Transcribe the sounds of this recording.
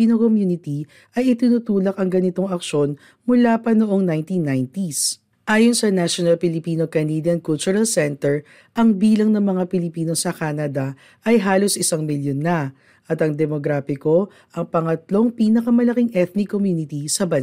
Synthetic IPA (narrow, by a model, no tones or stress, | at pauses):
inokomjuːnɪt̪i | ʔɐjɪt̪ɪnut̪uːlɐkɐŋɡɐnɪt̪o̞ŋɐkʃo̞n | mʊlaːpɐnoʔo̞ŋnajnt̪inːajnt̪is | ʔaːjonsɐnaʃonɐlpɪlɪpiːnokɐnid̪jɐnkult͡ʃʊɾɐlsɛnt̪ɛɹ | ʔɐŋbiːlɐŋnɐŋmɐŋapɪlɪpiːno̞sɐkanɐd̪ɐ | ʔɐjɦaːlo̞sʔɪsaŋmɪljonːɐ | ʔɐt̪ɐŋd̪ɛmoɡɾaːfɪko̞ | ʔɐŋpɐŋɐt̪lo̞ŋpinɐkɐmɐlɐkiŋʔɛθnikomjuːnɪt̪isɐbɐn